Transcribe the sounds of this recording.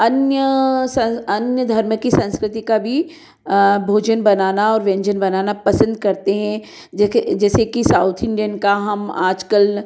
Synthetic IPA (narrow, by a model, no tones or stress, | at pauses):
ɐnjəsɐ̃ɐnjəd̪ʱɐɾməkːisɐ̃nskɾɪt̪ikabʱi | bʱoːd͡ʒənbɐnaːnaɔːɾʋɛ̃ɲd͡ʒənbɐnaːnapɐsə̃nd̪̚kɐɾt̪eɦɛ̃ | d͡ʒɛːsekisaːʊt̪ʰɪ̃ɳɖijənkaɦɐmaːd͡ʒkəl